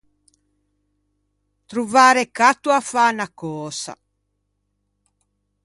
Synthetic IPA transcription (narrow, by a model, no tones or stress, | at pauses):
t̪ɾuvaːɾekat̪ːuafanakɔːsa̰